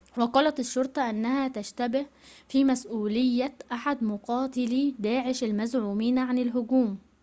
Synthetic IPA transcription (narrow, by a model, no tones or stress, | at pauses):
wɑqɑlɑt̪ɪʃːoɾˤt̪ˤɑʔanːæhæt̪aʃt̪æbɪhfimæsʔuːlɪjːæʔaħad̪mʊqɑːt̪ɪlid̪aːʕɪʃalmæzʕuːmiːnʕanɪlɦʊɡuːm